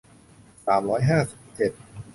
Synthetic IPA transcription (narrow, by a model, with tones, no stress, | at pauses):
saː˩˦mɾɔː˦˥jɦaː˥˩si˨˩p̚t͡ɕe˨˩t̪̚